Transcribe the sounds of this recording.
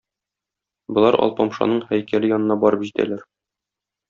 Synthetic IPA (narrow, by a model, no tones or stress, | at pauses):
bɤ̆lˠɑɾʔɒ̰lˠpɒmʃɑ̰nɤɴhæjkælɘjɒnɤ̆nɑbɒɾɤpʑit̪æ̰læɾ